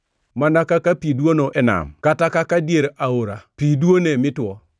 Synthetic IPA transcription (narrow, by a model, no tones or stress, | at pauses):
manakakapidwonoʔɛna̰mkatakakadjeɾaoɾapidwonemɪtwɔ